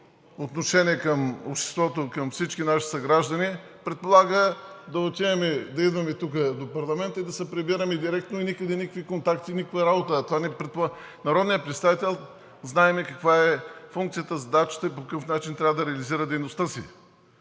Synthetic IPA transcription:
ot̪noʃɛniɛkɐmo̰pʃt̪ɛ̥st̪vɔt̪okɐmfsit͡ʃkinaʃi̥sɐɡɾaʒd̪ɐni | pɾɛt̪̚polˠaɡəd̪ɐot̪ʲiɛmɛd̪ɐid̪vɐmɛt̪uk̬əd̪opɐɾlˠɐmɛnt̪əid̪ɐsɛpɾɛbiɾəmɛd̪iɾɛk̚t̪noinikəd̪ɛnikə̥kvikont̪akt̪inikəkvɐɾabot̪əːt̪ovanɛpɾɛt̪p | nɐɾɔd̪nijətpɾɛt̪st̪avit̪ɛlˠ | znaɛmɛkɐkvaɛfuŋkt̪sijət̪əzɐd̪at͡ʃə̥t̪əipokɐkəfnat͡ʃint̪ɾʲavəd̪ɐɾɛɐliziɾəd̪ɛjnost̪əsḭ

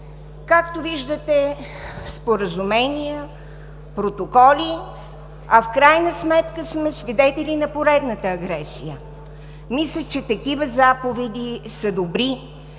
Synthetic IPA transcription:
kakt̪oviʒd̪ət̪ɛ | spoɾəzumɛnijə | pɾot̪okɔlʲi | ɐfkɾajnəsmɛt̪kəsmɛsvid̪ɛt̪ɛlʲinɐpoɾɛd̪nət̪əɐɡɾɛsijə | mislʲət͡ʃɛt̪ɐkivəzapovɛd̪isəd̪obɾi

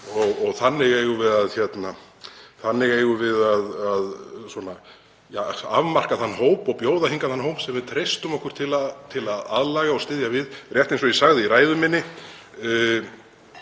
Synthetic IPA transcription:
ɔɣɔɣθanːɪɣejɣʏvɪðaðçɛt̪na | θanːɪɣeːjɣʏvɪðaðaðswɔna | jaa̰vmar̥kaθanːɦoːwpɔɣpjoːwðahiŋkaθanːɦowmsɛmvɪðt̪ʰɾejst̪ʏmɔhkʏɾ̥t̪ʰɪlat̪ʰɪlaða̰ðlaːɣaɔst̪ɪðjavɪðrjɛht̪ejnsɔjisaɣðɪiɾaːjðʏmɪnːɪ

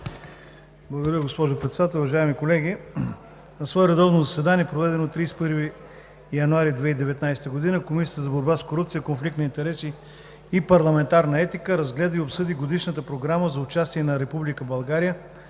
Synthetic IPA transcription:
blˠɡod̪ɾjʲəɡospɔʒopɾɛt̪sɛd̪at̪ɛlˠuvɐʒaɛmikolɛɡʲi | nɐsvɔɛɾɛd̪ɔvnozɐsɛd̪aniɛpɾovɛd̪ɛnot̪ɾijspɤɾvi | jɐnuaɾid̪vɛid̪ɛvɛt̪najsɛ̥t̪əɡod̪inəkomisiət̪əzɐboɾbaskoɾupt̪sijəkonflikt̪nɐint̪ɛɾɛsiː | pɐɾlˠɐmɛnt̪aɾnəɛt̪ikəɾɐzɡlɛd̪əiopsɤd̪iɡod̪iʃnət̪əpɾoɡɾaməzɐʊt͡ʃast̪iɛnɐɾɛpublikəbɐlˠɡaɾijə

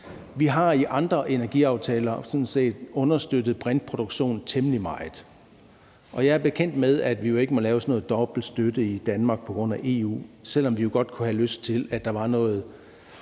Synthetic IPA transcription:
ʋiɦɑ̈iʔɑ̈nd̥ʁɐʔe̝næɐɡ̥iɑ̈ʊt͡sʰɛːlɐsɔ̽nse̝̰ːd̥ɔ̽nɐsd̥ød̥ð̞̩ˠb̥ʁan̥̚pʰʁo̝ɾ̥oɡ̥ɕo̝̰ːnt͡sʰemlimɑ̈ɪð̩ˠ | ʔɒ̽jɑ̈ɪæɐb̥e̝kʰen̰d̥með̞ˠæd̥ʋijo̝e̝ɡ̥əmɒ̽lɛːʊsɒnɔ̽ːð̩ˠd̥ɒ̽b̥l̩sd̥ød̥əid̥ænmɑ̈ːɡ̥̚pʰɒ̥ʁɔ̽n̰æʔe̝ːṵːsel̰ɒ̽mʋijo̝ɡ̥ɒ̽d̥kʰuhæløsd̥̚t͡sʰe̝læd̥ɑ̈ʋɑ̈nɔ̽ːð̞̩ˠ

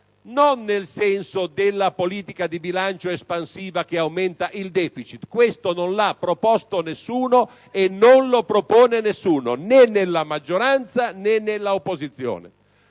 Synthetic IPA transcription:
nonːelsɛnsod̪elːapoliːt̪ikad̪ibilant͡ʃoespansiːvak̟eawmɛnt̪aʔild̪ɛːfit͡ʃit̪kwest̪ononlapːɾopɔst̪onesːuːno | enːonlopɾopoːnenesːuːno̰nenːelːamad͡ʒːoɾant̪sanɛnːelːaopːozit̪sːjo̰ːnḛ

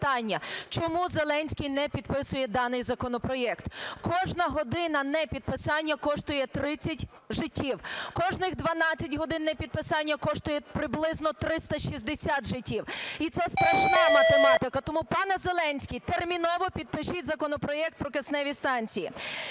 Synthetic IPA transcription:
t̪ɑnʲːɐt͡ʃɔmuzelˠɛnʲsʲkʲijnɛpʲid̪pɪsʊjɛd̪ɑnɪjzɐkɔnɔpɾɔjɛkt̪kɔʒnɐɦɔd̪ɪnɐnɛpʲid̪̚pɪsɑnʲːɐkɔʃt̪ʊjɛt̪ɾɪt͡sʲːɐtʲ | ʒɪtʲːiwkɔʒnɪxd̪ʋɐnɑt͡sʲːɐtʲɦɔd̪ɪnːɛpʲid̪̚pɪsɑnʲːɐkɔʃt̪ʊjɛpɾɪblˠɪznɔt̪ɾɪst̪ɐʃizd̪esʲat̪ʒɪtʲːiwit̪sɛsp̪ɾɐʃnɑmɐt̪emɑt̪ɪkɐt̪ɔmupɑnɛzelˠɛnʲsʲkʲɪjt̪ermʲinɔʋɔpʲid̪̚pɪʃitʲzɐkɔnɔpɾɔjɛk̚t̪̚pɾɔkesnɛʋʲist̪ɑnʲt͡sʲiji

